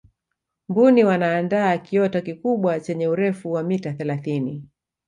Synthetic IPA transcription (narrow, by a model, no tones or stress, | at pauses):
mbuniwanaːndaːkiɔtakikuɓwat͡ʃɛɲɛuɾɛfuwamitaθɛlaθini